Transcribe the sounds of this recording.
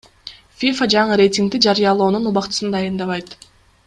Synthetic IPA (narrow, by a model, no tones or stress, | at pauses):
fʲifad͡ʒɑɴɯɾʲe̞jtʲiŋkt̪id͡ʒɑɾɯjɑlˠo̞ːnunuβɑqt̪ɯ̥sɯnd̪ɑjɯnd̪ɑβɑjt̪